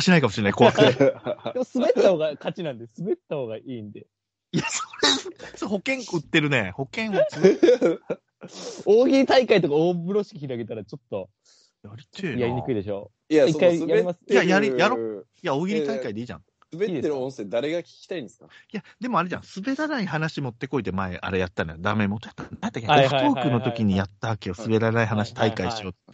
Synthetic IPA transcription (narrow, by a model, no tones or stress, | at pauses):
ɕinaikamoɕiɾeaikoakɯ̥ed̪emosɨbett̪ːaho̞ːɡakat͡ɕinãnd̪esɨbe̞t̪ːaho̞ːɡaʔiːnd̪e̞̰ | ijasoɾesoɦo̞kẽ̞ŋkɯt̪ːe̞ɾɯ̟ne̞̰ho̞kẽ̞ɰ̃o | oːɡʲiɾʲit̪aikait̪o̞kaoːbɯ̟ɾo̞ɕi̥kʲiçiɾaɡe̞t̪aɾat͡ɕo̞t̪ːo̞ | jaɾʲit̪ʰejaɾʲiɲikɯ̟id̪e̞ɕo̞ː | jaiajemḁjajaɾʲijaɾojaoːɡʲiɾʲit̪aikaid̪e̞iːʑã̰ŋssɨbeːeɾɯõñse̞ːd̪aɾe̞ɡakʲi̥kʲi̥t̪aĩnd̪eskajad̪e̞moaɾe̞ʑã̰sɨbe̞ɾanaihanaɕimo̞t̪ːe̞ko̞it̪emaeʔa̰ɾejat̪ːanjod̪ame̞mot̪ːojḁt̪ːaknajat̪ːakeokɯt̪o̞ːkɯnot̪o̞kʲiɲ̟ijat̪ːaakʲeosɨbe̞ɾanaiɦanaɕi̥t̪ʰaikaiɕio̞t̪